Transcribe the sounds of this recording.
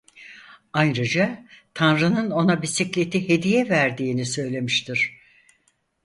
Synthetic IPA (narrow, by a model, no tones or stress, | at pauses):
ajɾad͡ʒat̪ʰanɾɯnɯno̞nabisiclʲe̞t̪ʰihe̞d̪ijɛvæɾd̪iːnisø̞jlʲe̞miʃt̪ʰiɾ̥